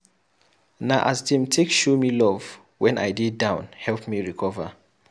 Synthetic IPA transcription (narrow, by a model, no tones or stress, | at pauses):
naʔasdĩmtʰekʃomilɔv | wɛ̃na̰ɪdidãʊ̃nhɛlˠpmiɹikʰɔvə